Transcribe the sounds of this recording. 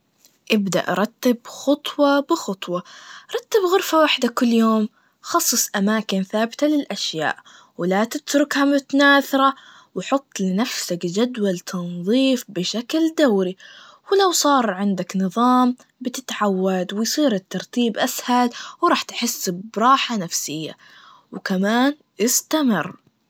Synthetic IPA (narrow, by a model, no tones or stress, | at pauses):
ʔɪbd̪a̰ʔɑ̰ɾˤɑt̪ːɪbxɑt̪ˤwɑbɪxɑt̪ˤwɑɾˤɑt̪ːɪbɣʊɾfawaħd̪akʊlːjoːm | xɑsˤːɨsˤʔamaːkɪnθaːbɪt̪alɪlʔaʃja̰ːʔ | wɪlat̪ɪt̪ɾʊkhamʊt̪anaːθɑɾˤɑ | wħʊt̪ˤːlɪnafsakd͡ʒad̪walt̪ʰɑnðˤiːfbɪʃakld̪awɾi | wɪlawsˤɑːɾˤʕɪnd̪aknɨðˤɑːm | bɪt̪ɪt̪ʕawːad̪wɪjsˤiːɾɪt̪ːɑɾˤt̪iːbʔashalwɾˤɑːħt̪ħɪsːbɾˤɑːħanafsɪjːa̰ | wkamaːn | ʔɪst̪amɪ̰rː